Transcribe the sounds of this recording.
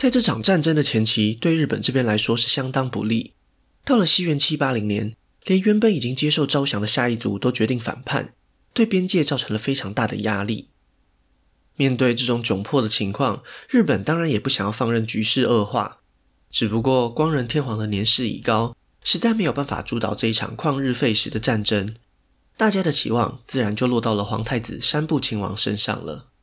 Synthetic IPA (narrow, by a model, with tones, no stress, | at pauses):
t͡sa˥˧ɪʈ͡ʂɤ˥˩ʈ͡ʂʰɑ̰˨˩ŋʈ͡ʂa˥˩nʈ͡ʂə˥ŋd̪ə˨t͡ɕʰjɛ˧˥nt͡ɕʰi˧˥t̪we˥˧ɪɻ̩˥˩pə˨˩nʈ͡ʂɤ˥˧pjɛ˥nla˧˥ɪʂwɔ˥ʂɻ̩˥˩ɕjɑ˥ŋt̪ɑ˥ŋpṵ˧˦li˥˩ | t̪ɑ˥˩ʊlə˩ɕi˥ɥɛ˧˥nt͡ɕʰi˥pa˥li˧˥ŋnjɛ̰˧˦n | ljɛ˧˥nɥɛ˧˥npə˧˥ni˨˩t͡ɕi˦˥ŋt͡ɕjɛ˥ʂo˥˩ʊʈ͡ʂɑ˥ʊɕjɑ˧˥ŋd̪ə˨ɕja˥˧i˥˩t͡sṵ˧˥˩t̪ɔ˥ʊt͡ɕɥɛ˧˥t̪i˥˩ŋfa̰˨˩npʰa̰˥˩n | t̪we˥˩ɪpjɛ˥nt͡ɕjɛ˥˧t͡sɑ˥˩ʊʈ͡ʂʰɤ˧˥ŋlə˧fe˥ɪʈ͡ʂʰɑ˧˥ŋt̪a˥˩d̪ə̰˩ja˥lḭ˥˩ | mjɛ˥˧nt̪we˥˧ɪʈ͡ʂɤ˥˩ʈ͡ʂʊ˨˩ŋt͡ɕjʊ˨˩ŋpʰwɔ˥˩d̪ə˩t͡ɕʰi˧˥ŋkʰwɑ˥˧ŋɻɻ̩˥˩pə˨˩nt̪ɑ˥ŋɻa˨˧˦njɛ˨˩pu˥˩ɕɑ˨˩ŋjɑ˥˧ʊfɑ˥˧ŋɻə˥˩nt͡ɕy˧˥ʂɻ̩˥˧ə˥˧xwa̰˥˩ | ʈ͡ʂɻ̩˨˩pu˧˦kwɔ˥˩kwɑ˥ŋɻə˧˥nt̪ʰjɛ˥nxwɑ˧˥ŋd̪ə˧˨njɛ˧˥nʂɻ̩˥˩ḭ˨˩kɑ˥ʊ | ʂɻ̩˧˥t͡sa˥˩ɪme˧˥ɪjo˨˩pa˥˩fa̰˨˩ʈ͡ʂu˧˥t̪ɑ̰˨˩ʊʈ͡ʂɤ˥˧i˥˩ʈ͡ʂʰɑ̰˨˩ŋkʰwɑ˥˧ŋɻɻ̩˥˧fe˥˩ɪʂɻ̩˧˥d̪ə˧ʈ͡ʂa˥˨˩nʈ͡ʂə˥ŋ | t̪a˥˩t͡ɕja˥d̪ə˨t͡ɕʰḭ˧˥wɑ̰˥˧ŋt͡sɹ̩˥˩ɻa˧˥nt͡ɕjo˥˧ʊlwɔ˥˧t̪ɑ˥˩lə˩xwɑ̰˧˥ŋt̪ʰa˥˩ɪt͡sɹ̩˨˩ʂa˥npu˥˩t͡ɕʰi˧˥ŋwɑ̰˧˥ŋʂə̰˥nʂɑ̰˥˩ŋlə̰˩